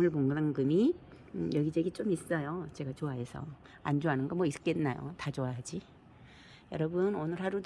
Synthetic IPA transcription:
ɯɭboŋɡɾaŋɡɯmi | jʌɡid͡ʑeɡit͡ɕ͈omis͈ʌjot͡ɕe̞ɡat͡ɕoaɦe̞sʰʌ̰ | a̰nd͡ʑoɦanɯnɡʌmwʌis͈ɯ̥k͈ennːajo̰tat͡ɕoaɦad͡ʑi | jʌɾʌbɯnonɯɭɦaɾud

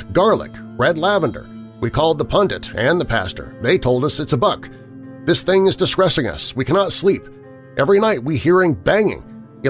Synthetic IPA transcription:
ɡ̥ɑɹlˠə̰k | ɹɛdˡlævə̃ndə̰˞ | wikʰɔlˠd̪̚ðəpʰʌ̃ndɨ̰̃nɾɨ̃nðəpʰæ̰stə̰˞ðeɪtʰoʊlˠdʌsɨtsəbʌk | ðɪsθɪ̃ŋɨzdɨskɹ̥ɛsɪ̃ŋʌ̰swikʰænɑtslip | ʔɛvɹinaɪt̚wihiɹɪ̃ŋbæ̃ŋɪ̰̃ŋ | ɨ

